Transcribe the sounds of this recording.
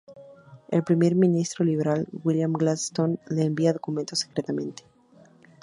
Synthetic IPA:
e̞lpɾime̞ɾmĩnist̪ɾo̞liβe̞ɾalwiljamɡlast̪onle̞ːmbiaðo̞kument̪o̞sekɾe̞t̪amẽ̞nt̪e̥

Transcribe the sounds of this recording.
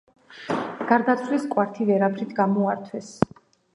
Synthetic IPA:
ɡ̥aɾd̪at̪sʰliskʼwaɾt̪ʰivɛɾapʰɾit̪ʰɡamɔaɾt̪ʰwɛs

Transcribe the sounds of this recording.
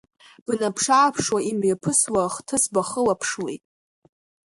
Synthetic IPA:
b̥napʰʂaːpʰʂwaimjapʰɨswaχtʰɨsbaχəlapʰʂwejtʼ

